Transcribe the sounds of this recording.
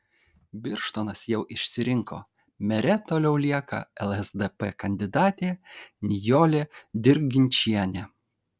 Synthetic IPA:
bʲɪɾʃt̪oːnɐsjɛʊʔɪʃʲsʲɪɾʲɪŋko̰ː | mʲɛɾʲɛt̪oːlʲɛʊlʲiɛkɐ̰ɛlˠɛzd̪ɛpɛkɐnʲd̪ʲɪd̪ɑːt̪ʲeːnʲɪjoːlʲeːd̪ʲɪɾ̚ʲɡʲɪnʲt͡ʃʲiɛnʲɛ

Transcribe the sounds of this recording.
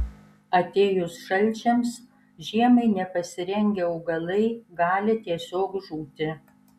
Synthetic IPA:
ɐt̪ʲeːjʊsʃɐlʲˑt͡ʃʲɛms | ʒʲiɛmɐɪnʲɛpɐsʲɪɾʲɛŋʲɡʲɛɔʊɡɐlˠɐɪɡɑːlʲɪt̪ʲiɛsʲoːkʒuːt̪ʲɪ

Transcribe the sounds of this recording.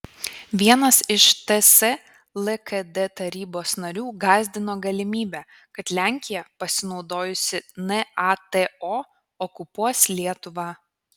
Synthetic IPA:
ʋʲiɛnɐsɪʃt̪ɛsɛ | lˠɛkɛd̪et̪ɐɾʲiːboːsnɐɾʲuːɡɑːzʲd̪ʲɪnoːɡɐlʲɪmʲiːbʲæː | kɐt̪lʲæˑŋʲkʲɪjɛpɐsʲɪnɒʊd̪oːjʊsʲɪnɛɑt̪eoː | ɔkʊpuɔslʲiɛt̪ʊʋɑː

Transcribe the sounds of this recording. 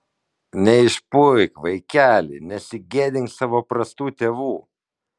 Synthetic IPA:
nʲɛɪʃpʊjkʋɐɪkʲæːlʲḭnʲɛsʲɪɡʲeːd̪ʲɪŋʲksɑːʋoːpɾɐst̪uːt̪ʲeːʋuː

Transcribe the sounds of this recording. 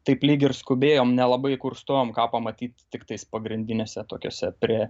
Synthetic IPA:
t̪ɐɪplʲiːɡʲɪrskʊbʲeːjoːmnʲɛlˠɐbɐɪkʊrst̪oːjoːmkɑːpɐmɐt̪ʲiːt̪ʲtʲɪkt̪ɐɪspɐɡɾʲɪnʲd̪ʲɪnʲeːsʲɛt̪oːkʲo̰ːsʲɛpʲrʲiɛ

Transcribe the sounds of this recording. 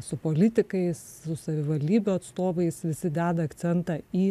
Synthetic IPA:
sʊpoːlʲɪt̪ʲɪkɐɪssʊsɐʋʲɪʋɐlʲd̪ʲiːbʲuːɐt̪st̪oːʋɐɪsʋʲɪsʲɪd̪ʲæːd̪ɐɐkt̪t͡s̪ʲɛnt̪ɑiː

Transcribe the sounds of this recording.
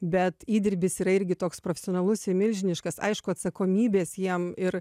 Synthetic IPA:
bʲɛt̪iːd̪ʲɪɾʲbʲɪsiːɾɐɪɾʲɡʲɪt̪oːkspɾofʲɛsʲɪoːnɐlˠʊsɪmʲɪlʲʒʲɪnʲɪʃkɐsɐ̰ɪʃkʊɐt̪sɐkoːmʲiːbʲeːsjiɛmɪr

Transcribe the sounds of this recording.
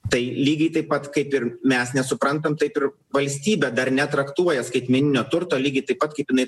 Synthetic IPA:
t̪ɐɪlʲiːɡʲɐɪt̪ɐɪppːɐt̪kɐɪpɪɾmʲɛsnʲɛsʊpɾɐnt̪ɐmt̪ɐɪpɪɾ | ʋɐlʲsʲt̪ʲiːbʲɛd̪ɐrnʲɛt̪ɾɐkt̪uɔjɛskɐɪt̪ʲmʲɛnʲɪnʲoːt̪ʊɾt̪oːlʲiːɡʲɐɪt̪ɐɪpːɐt̪kɐɪpjɪnɐɪ

